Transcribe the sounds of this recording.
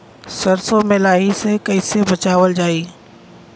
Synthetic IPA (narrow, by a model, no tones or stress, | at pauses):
sɐɾsomelaːɦisekɐɪsebɐt͡ɕaːʋəld͡ʑaːiː